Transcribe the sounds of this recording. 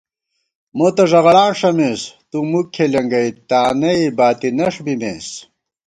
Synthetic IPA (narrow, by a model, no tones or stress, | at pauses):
mot̪ɐʐɐɣɐlaːnʂɐmest̪umukʰːelɐŋɡɐjt̪aːnɐibaːt̪inɐʂbimeːs